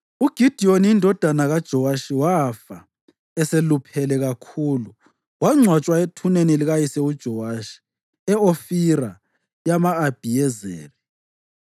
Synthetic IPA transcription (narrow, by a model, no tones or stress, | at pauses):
uɡ̥ʱid̥ʱioniindʱɔd̥ʱanaɣad̥ʒ̥ʱɔwaʃiwafa | ɛselupʰɛlɛɣakʰuːlu | waŋ͡ǀʱwat͡ʃʼwaetʰuneniliɣajisɛud̥ʒ̥ʱɔwaʃi̥ | ɛofiɾa | jamaːb̥ʱijɛzḛːri